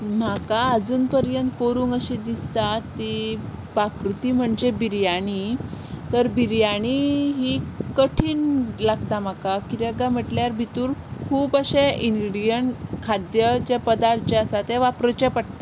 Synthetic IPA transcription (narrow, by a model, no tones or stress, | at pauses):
m̤akaːd͡zuːnpəɾjənt̪koɾuːŋɡəɕid̪ist̪at̪ːipakɾut̪iːm̤əɳd͡ʑebiɾjaɽ̃it̪əɾbiɾjaɽ̃iɦikəʈʰiːnlaɡ̚t̪am̤akakiɾəɡam̤əʈljaɾbʱit̪uːɾkʰuːpəɕeiŋɡɾɖijəɳkʰad̪jəd͡ʑapəd̪aɾt̪t͡ɕeəsat̪eʋapɾət͡ɕɛpəɽt̪a